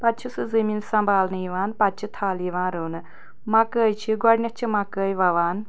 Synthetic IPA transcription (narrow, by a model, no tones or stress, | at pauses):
pɐt͡ʃʰisɨzɐmiːnsɐmbʱaːlnɨiʋaːnpɐt͡ʃʰit̪ʰaːliʋãːnɾuːnɨ | mɐkəːjt͡ʃʰiɡɔɽʲnʲɐt͡ʃʰimɐkəːjʋɐʋaːn